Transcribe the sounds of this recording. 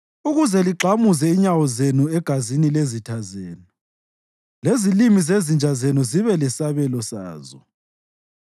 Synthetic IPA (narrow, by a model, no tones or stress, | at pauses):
uɣuzɛliǃʱamuzɛiɲawɔzenuɛɡ̥ʱazinilezitʰazeːnu | lezilimizezind͡ʒʱazenɔziβɛlɛsaβɛlɔsa̰ːzɔ̰